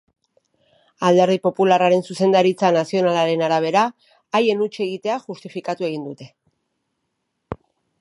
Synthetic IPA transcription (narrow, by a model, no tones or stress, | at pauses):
ald̪e̞ɾðipo̞pularaɾe̞nsuse̞nd̪aɾit͡sanasio̞nalaɾe̞naɾaβ̞e̞ɾaː | je̞nut͡ʃe̞ɣ̞it̪e̞aʝust̪ifikat̪ue̞ɣ̞ind̪ut̪e̞